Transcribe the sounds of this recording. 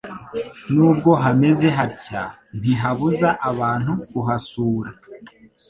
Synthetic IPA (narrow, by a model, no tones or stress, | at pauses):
nuːb̚ɡo̞ɦame̞ze̞ɦaɾca | n̥iɦaβuzaʔaβaːn̥hukuɦasuːɾa